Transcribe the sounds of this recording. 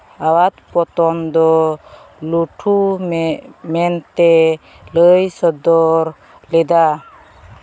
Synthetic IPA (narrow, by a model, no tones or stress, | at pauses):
awat̪pɔt̪ɔnd̪ɔ | luʈʰu | mɛnt̪ɛ | ləjsɔd̪ɔɾ | lɛd̪a